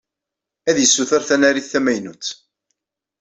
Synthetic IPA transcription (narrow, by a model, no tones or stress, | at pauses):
æðjəsːuθəɾθænæɾiθːæmæjnut͡sː